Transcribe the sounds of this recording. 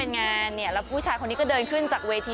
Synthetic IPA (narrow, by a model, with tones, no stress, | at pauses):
e˧nŋaː˧nːi˦˩ɐlɛ˦˥wpʰuː˥˩t͡ɕʰaː˧jkʰo˧nːiː˦˥kɔː˥˩dɤː˧nkʰɯ˥˩nt͡ɕaː˨˩k̚weː˧t̪ʰiː˧